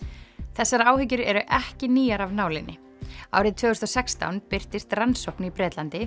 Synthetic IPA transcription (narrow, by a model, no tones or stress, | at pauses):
θɛsːaɾaːwhʏcʏɾɛɾʏʔɛhcɪniːjaɾavnaːwlɪnːɪ | a̰ːwɾɪðt̪ʰvœːɣʏst̪ɔsɛkst̪a̰wnpɪr̥t̪ɪst̪ransowknipɾɛːt̪lant̪ɪ